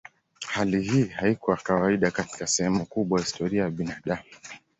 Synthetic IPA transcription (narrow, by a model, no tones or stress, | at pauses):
halihiːhaikɔakawaiɗakati̥kasɛhɛmukuɓwaahistɔɾiajaɓinaɗamu